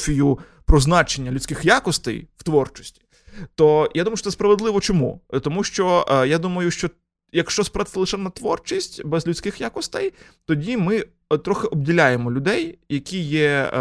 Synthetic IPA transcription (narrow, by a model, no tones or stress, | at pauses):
fʲiju | pɾɔznɑt͡ʃenʲːɐlʲʊt͡sʲsʲkɪxjakɔst̪ɛ̰jwt̪ʋɔrt͡ʃɔ̥sʲtʲi̥ | t̪ɔjad̪umɐjʊt͡ʃːɔɛspɾɐʋed̪lˠɪʋɔt͡ʃɔmṵt̪ɔmuʃt͡ʃɔjad̪umɐjʊʃt͡ʃɔ | jɐkʃt͡ʃɔspɾat̪ɪsɐlˠɪʃɛnɐt̪ʋɔrt͡ʃisʲtʲbɛzlʲʊt͡sʲkɪxjakɔst̪ɛj | t̪ɔdʲimɪ | t̪ɾɔxɪʔɔb̚dʲilʲajemɔlʲʊd̪ɛjjɐkʲijɛ